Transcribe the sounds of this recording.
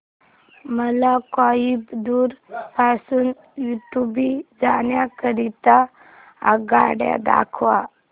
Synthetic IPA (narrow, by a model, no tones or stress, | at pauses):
məlakajibd̪uːɾpasuːn | juʈubid͡zanjakəɾit̪a | a̰ɡaɽja̰d̪a̰kʰʋa